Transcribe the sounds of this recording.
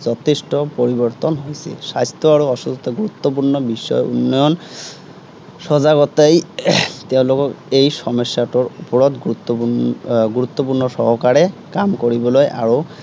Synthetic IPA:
zɔtʰestɔpoɹibɔɹt̪ɔnɦojsɛ̰sajst̪ɔaɹuɔsusɔt̪ɔɡuɹut̪ːɔp̬uɹnɔbisɔ̰jṵnːɔjɔn | sɔzaɡɔtejteʊ̃lokɔkejsɔmɔsjatɔɹupɔɹɔt̪ɡuut̪ːɔuɡuɹut̪ːɔpuɹnɔsɔɦɔkaɹɛkamkoɹibɔlojʔa̰ɹo

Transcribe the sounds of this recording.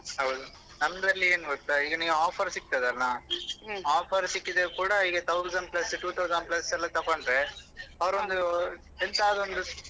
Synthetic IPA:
ɐʋðu | nɐmbɐɾlieːnɯɡɐt̪ːaːɪɡɐniːŋɡɐaːfɐɾsɪkːt̪aðɐlnãː | aːfɐɾsɪkːɪðekuːɽɐɪɣɐt̪ɐʊsɐɳɖplɐsʈuːt̪ʰɐʊzɐɳɖplɐsɛlːat̪ɐpːaːɳɖɾeːɐʋɐɾʋɐnd̪ɯ | ɛnd̪aːðɔnd̪ɯ

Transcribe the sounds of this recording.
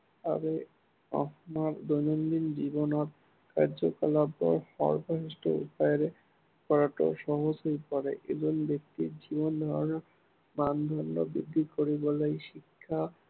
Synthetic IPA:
a̰be | ɔhmaɾd̪ojnɔndinzibɔnɔt̪̚ | ka̰ɾzɔkalabːɔ̰ɹhɔ̰ɹbʱɔɦistɔ̰ṵpajɔɾe | kɔɹatɔ̰ʃɔɦozɦojpɔɹḛʔḛzɔnbek̚t̪izibɔnd̪ʱɔɹɔnɔ | mand̪ʱɔɹnɔ̰bid̪ʱːikoɹibɔlojʃikʰːa

